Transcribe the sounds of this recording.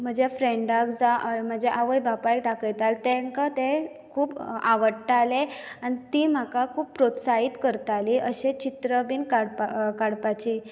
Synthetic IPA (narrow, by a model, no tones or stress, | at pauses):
m̤əd͡ʑafɾeɳɖakd͡zaʔm̤əd͡ʑeʔaʋəjbapajk̚ɖakəjt̪alt̪eŋkat̪e | kʰuːbaʋəɽʈːaleanit̪iːm̤akakʰuːpːɾot̪saiːt̪kəɾt̪aliːəɕet͡ɕit̪ɾəbiːnkaɽpakaɽpat͡ɕiː